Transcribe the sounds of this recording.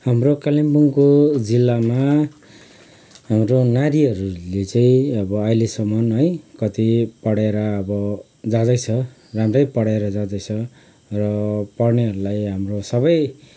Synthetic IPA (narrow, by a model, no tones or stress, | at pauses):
hamrokalimbuŋkod͡zilːama | ɦamɾonaɾiɦʌɾulet͡saĩʌbʌʌjlesʌmʌnɦʌjkʌt̪ipʌɽeɾʌːbʌ | d͡zad̪ʌjt͡sʰʌ | ramrʌjpʌɽeɾʌd͡zad̪ʌjt͡sʰʌ | rʌpʌrneɦʌɾulajɦamrosʌbʌj